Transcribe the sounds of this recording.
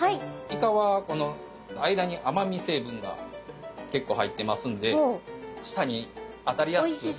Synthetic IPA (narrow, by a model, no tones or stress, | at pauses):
haiikaβako̞no̞ | aid̪aɲ̟iʔamamʲise̞ːbɯ̟̃ŋɡa̰ke̞kːo̞ːhait̪ːe̞masɨ̃nd̪e̞ɕi̥t̪aɲ̟i | at̪aɾʲija